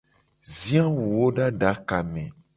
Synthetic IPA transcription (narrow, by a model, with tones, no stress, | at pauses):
zĩ˦ã˦wu˨wo˦ɖa˦ɖa˨˦ka˨mɛ̃˨